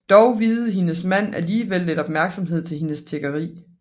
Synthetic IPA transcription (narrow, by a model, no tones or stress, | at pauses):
d̥ɒʊʋiːð̩ˠɦe̝nəsmæn̰æliːʋelːed̥ɒ̽b̥mæɐɡ̥sɒ̽mɦe̝ð̞̰ˠt͡sʰe̝lhe̝nəst͡sʰeɡ̥ɐʁḭː